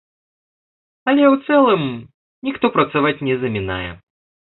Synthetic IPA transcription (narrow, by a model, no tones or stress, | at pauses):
ɐlʲɛwt̪sɛlˠɨm | nʲixt̪ɔpɾɐt̪savat͡sʲnʲɛzɐmʲina̰jɛ